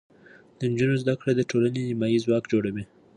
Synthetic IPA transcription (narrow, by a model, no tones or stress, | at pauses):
d̪̥ənd͡ʒunozd̪akɽed̪əʈolanenimɑjizwɑkd͡ʒoɽawi